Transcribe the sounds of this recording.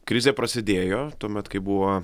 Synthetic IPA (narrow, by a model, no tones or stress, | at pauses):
kɾʲɪzʲeːpɾɐsʲɪd̪ʲeːjoːt̪uɔmʲɛt̪kɐɪbʊʋoː